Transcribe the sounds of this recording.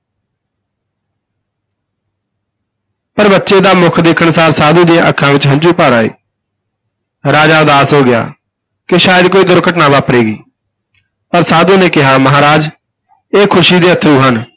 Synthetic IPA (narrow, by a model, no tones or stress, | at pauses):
pəɾbətːʃeːd̪aːmʊkʰd̪ekʰəɳsaːɾsaːd̪ũːd̪eːʔəkʰãːʋɪt͡ʃɦə̃ɲd͡ʒuːpaːɾaːḛː | ɾaːd͡ʒaːd̪aːsɦoːɡɪja̰ː | kɪʃaːjəd̪̚koːiːd̪ʊɾkəʈnaːʋaːpɾeːɡiː | pəɾsaːd̪ũːneːkɪɦaːməɦaːɾaːd͡ʒ | eːkʰʊʃiːd̪eːət̪ʰɾuːɦən